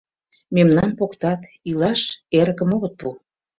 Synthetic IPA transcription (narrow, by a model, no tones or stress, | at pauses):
memnɑnpokt̪ɑt̪ | ilɑʃeɾəkə̆moɣə̆t̪̚pu